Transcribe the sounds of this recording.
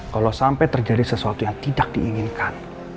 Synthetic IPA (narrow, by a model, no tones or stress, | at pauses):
kalosampɛt̪ərd͡ʒadisəsuat̪ujaŋt̪idak̚d̥iʔiŋinkan